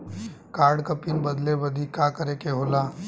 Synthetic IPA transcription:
kaːɾɖkɐpinbɐd̪lebəd̪ʱikakəɾekeɦoːlaː

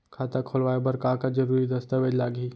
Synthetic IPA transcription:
kʰaːt̪akʰolʋaːjebɐɾkaːkad͡ʒɐɾuːɾid̪ɐst̪aʋed͡ʒlaːɡiː

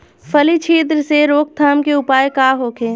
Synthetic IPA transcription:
fʰɐlit͡ʃʰiːt̪̬ɾəseɾoːk̚t̪ʰaːmkeʊpaːjkaːɦoːkʰeː

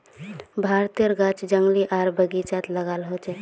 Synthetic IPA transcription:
bʱaɾt̪iəɾɡat͡ʃd͡ʒəŋɡliʔaɾbəɡit͡ʃat̪ləɡalɦot͡ʃɛ

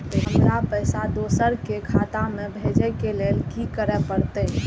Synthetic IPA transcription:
t̪oɦəmɾapəjsad̪osəɾkekʰat̪amebʱed͡ʒɛkelelkikəɾɛpəɾt̪ə

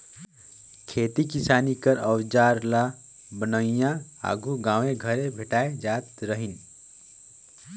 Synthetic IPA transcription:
kʰet̪ikisanikəɾəwd͡ʒaɾla | bənəijãa̰ɡʱuɡãːw̃eɡʱəɾebʱeʈaed͡ʒat̪ɾəɦin

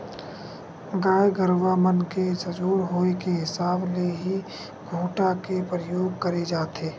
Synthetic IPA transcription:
ɡaːeɡəɾʋaːmənked͡ʒəd͡ʒuːɾɦoːekeɦɪsaːbleɦi | ɡʱoːʈakepɾəjoːɡ̚kəɾed͡ʒaːt̪ʰeː

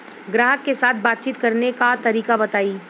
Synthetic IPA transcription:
ɡɾaːɦəkːesaːt̪̚ʰbaːt̪̚t͡ʃiːt̪kɐɾnekat̪ɐɾiːkabɐt̪aːiː

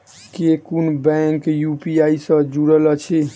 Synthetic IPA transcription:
kekunbɛ̃ŋkjupiaisə̃d͡ʒuɽələt͡ʃʰi

